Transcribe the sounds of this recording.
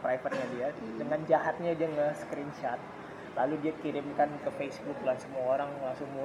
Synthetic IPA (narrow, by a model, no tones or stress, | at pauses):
kɾajfət̪̚ɲadia | dəŋand͡ʒaɦat̪̚ɲad͡ʒiaŋəsə̥kɾint͡ʃat̪̚ | laludiakiɾɪmkankəfesbʊklansəmuaoɾaŋlaŋsʊŋmu